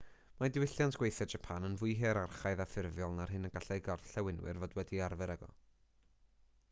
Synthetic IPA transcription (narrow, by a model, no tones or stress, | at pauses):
madɪwɪɬjantʰɡ̥wejθɛdd͡ʒapʰanənvʊɨɦɛɾarχajðafɪrvjɔlˠnarɦɨnəɡaɬɛjɡɔrθɬɛwɪnwɪ̰rvodwɛdiarvɛɾɛɡɔ̰